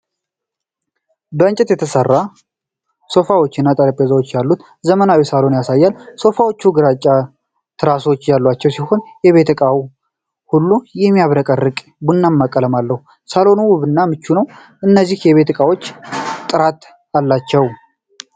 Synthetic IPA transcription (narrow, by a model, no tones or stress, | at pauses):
bəɨnt͡ʃʼɛt̪jɛt̪ʰəsərːa | so̞fawo̞t͡ʃːɪnːat̪ʼəɾəpʼezawot͡ʃːjalːut̪ | zəmənawisalo̞njasajːalso̞fawo̞t͡ʃːuɡɨɾat͡ʃʼːa | t̪ʰɨɾaso̞t͡ʃːjalːat͡ʃːɛwsiho̞njɛβe̞t̪ʰɨkʼawu | hulːujɛmːijaβɾəkʼərɨkʼ | bunːamːakʼːələmalːəhu | salo̞nuwʊβɨnːamɨt͡ʃːunəw | ʔɨnːəzːihjɛβe̞t̪ɨkʼawo̞t͡ʃ̪ːʼɨɾat̪ | alːat͡ʃːɛw